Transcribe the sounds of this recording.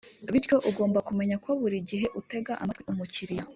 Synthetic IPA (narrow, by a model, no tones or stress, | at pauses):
βitco̞ʔuɡo̞ːmbakume̞ɲakwaβuɾiɟiɦe̞ʔute̞ɡaʔa̰matwiumuciɾija